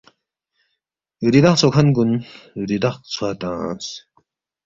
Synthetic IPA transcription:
ɾid̪aχ̚t͡sʰokʰanɡunɾid̪aχ̚t͡sʰuat̪ãːs

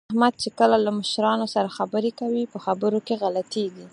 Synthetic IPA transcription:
ahmad̪̚t͡ʃekəlalaməʃɾɑnosaɾaxabəɾekawipəxabəɾokeɣalat̪eɡi

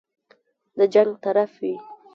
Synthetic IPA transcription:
d̪əd͡ʒaŋɡ̚t̪aɾafwi

